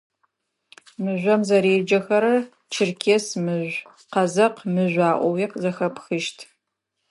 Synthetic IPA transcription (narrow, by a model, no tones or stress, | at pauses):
mɨʒʷɐmzɐɾeːd͡ʒɐxɐɾɐ | t͡ʃʰɪrkʲʰesmɨʒʷ | qɐzɐqmɨʒʷaːʔʷɔwiːqzɐxɐpʰxɨʃtʰ